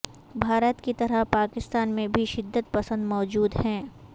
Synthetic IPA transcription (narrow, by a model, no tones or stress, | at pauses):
bʱaːɾət̪kit̪ɐɾəɦpaːkɪst̪aːnmẽbʱiʃɪd̪ːət̪̚pɐsə̃nd̪mɔːd͡ʒuːd̪hɛ̃ː